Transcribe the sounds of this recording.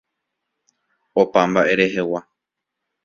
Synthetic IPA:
opambaʔe̞ɾe̞ɦe̞wa

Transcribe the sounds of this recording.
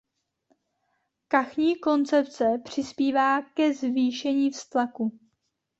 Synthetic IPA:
kaxɲiːko̞nt͡sɛpt͡sɛpr̝̥ɪspiːvaːkɛzviːʃɛɲiːfst̪laku

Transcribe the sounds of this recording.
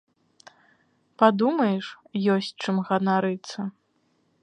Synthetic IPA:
pad̪umɐjɛʂjɔsʲt͡sʲt͡ʂɨmɣɐnaɾɨt̪sːɐ

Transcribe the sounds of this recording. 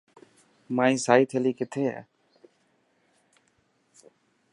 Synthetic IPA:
maːĩːsaːiːt̪ʰeːliːkɪt̪ʰeːɛ̰ː

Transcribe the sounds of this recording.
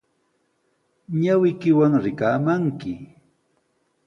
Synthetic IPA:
ɲawɪjkɪwaŋɾɪkaːmaŋkɪ

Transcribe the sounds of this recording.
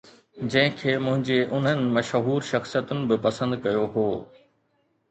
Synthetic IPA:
d͡ʑɐ̃ɦɪ̃kʰeːmʊ̃ɦɪ̃ɲd͡ʑeːʔʊn̤ɦənɪ̆mɐʃɦuːɾʃɐxsijət̪ʊnɪ̆bɪpɐsə̃nd̪kɐjoɦoː

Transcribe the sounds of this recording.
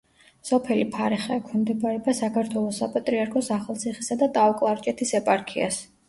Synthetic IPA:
sɔpʰɛlipʰaɾɛχɛɛkʰimd̪ɛbaɾɛbasakʰaɾt̪ʰwɛlˠɔsapʼat̪ʼɾiaɾkʰɔsaχalˠt̪sʰiχisad̪at̪ʼaɔkʼlˠaɾt͡ʃʼɛt̪ʰisɛpʼaɾkʰia̰s

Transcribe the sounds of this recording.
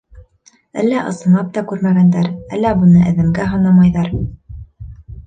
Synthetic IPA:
æ̰lːæʔɤ̰̆sɤ̆nˠɑp̚t̪ɑkʉɾmæɡænd̪æɾæ̰lːæbunɤʔɘ̆ðɘ̆mɡæɦɤ̆nɑmɑjðɑɾ

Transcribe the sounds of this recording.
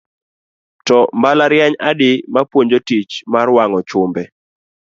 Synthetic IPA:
tɔmbalaɾjaɲadɪmapwoɲd͡ʒotit͡ʃmarwaŋɔt͡ʃʊmbɛ

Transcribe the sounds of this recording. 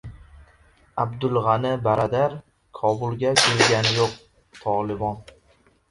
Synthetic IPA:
abd̪ʊlˠʁɑnɪbaɾʔɒd̪aɾ | kʰɒbʊlˠɡʲakʰʲɵlɡʲanɪjoq̚ | t̪ʰɒlˠɪbɒn

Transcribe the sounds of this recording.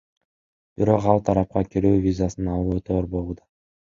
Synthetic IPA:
b̥iɾo̞qɑlˠt̪ʰɑɾɑp̚qɑkʲiɾyːvʲizasɯnɑlˠuøt̪ʰøːɾbolˠud̪ɑ

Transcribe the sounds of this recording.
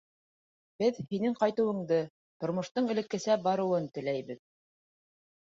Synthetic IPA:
b̥ɘðhinɘŋqɑjt̪ɤ̆wɤ̆ɴd̪ɤ | t̪ŏɾmŏʃt̪ɤɴɘ̆lɘ̆kːɘ̆sæbɑɾɤ̆wɤnt̪ɘ̆læjβɘð

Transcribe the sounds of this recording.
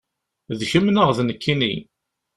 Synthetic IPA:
ðçəmnəʁðnəkʰːinḭ

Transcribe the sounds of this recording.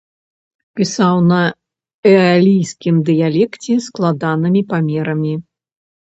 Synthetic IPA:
pʲisawnɐ | ɛalʲijskʲimd̪ɨjalʲɛkt͡sʲɛsklˠad̪anɨmʲipamʲɛɾɐmʲi

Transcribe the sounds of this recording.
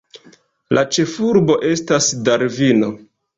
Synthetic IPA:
lʔat͡ʃe̞fuɾbo̞ʔe̞stasdaɾvino̞

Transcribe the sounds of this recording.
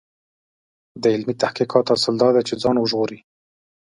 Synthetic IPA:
d̪əɪlmit̪ahqiqɑt̪asəld̪ɑd̪et͡ʃed͡zɑnwəʒɣoɾi

